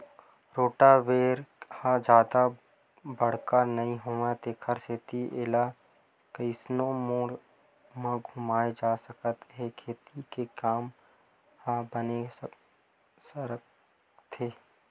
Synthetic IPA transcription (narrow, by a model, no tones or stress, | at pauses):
ɾoːʈaʋeːɾhãd͡ʒjaːd̪a | bəɽ̤kanɐĩɦoːet̪eːkʰəɾseːt̪iʔɪla | kəɪsnõmoːɾ | mãɡʱʊmaːed͡ʒaːsəkət̪ɦekʰeːt̪ikekaːm | hãbəne | səɾ | t̪ʰeː